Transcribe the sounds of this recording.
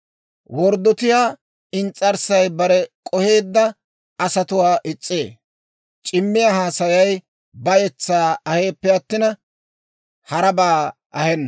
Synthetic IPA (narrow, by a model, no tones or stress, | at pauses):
wɔɾd̪ɔt̪ɪjaː | ɪnt͡sʼːɐɾsɐjbɐɾɛkʼɔhe̞ːd̪ːɐ | ɐsɐt̪ʊwaːʔɪt͡sʼːeː | t͡ʃʼɪmːɪjɐhaːsɐjɐj | bɐjɛt͡sːaːɐhe̞ːpːɛɐt̪ːɪnɐ | hɐɾɐbaː | ʔɐhɛnːɐ